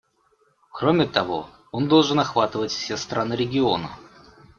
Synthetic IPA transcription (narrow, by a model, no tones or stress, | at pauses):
kɾomʲɪt̪ɐvo̞̰ | o̞nd̪o̞lˠʐɨnɐxvat̪ɨvətʲfsʲest̪ɾanɨɾʲɪɡʲɪo̞nə̰